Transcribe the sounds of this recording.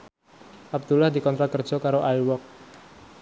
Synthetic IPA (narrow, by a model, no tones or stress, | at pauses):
ʔab̚d̪̥ulahdikɔnt̪ɾakərd͡ʒ̥ɔkaɾoʔajwɔk̚